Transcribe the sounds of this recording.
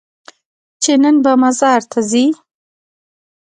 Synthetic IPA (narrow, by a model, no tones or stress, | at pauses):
t͡ʃenənbamazɑɾt̪ʰazi